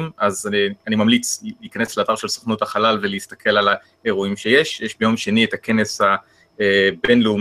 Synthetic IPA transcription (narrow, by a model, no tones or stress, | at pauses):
mazanimamlit͡sliːkanesleaːtaʁʃelso̥χnuthaχalalveleist̪ḁkʰe̞lala | eʁoimʃe̞jeʃjeʃbejo̞mʃenietake̞nesha | ebenleum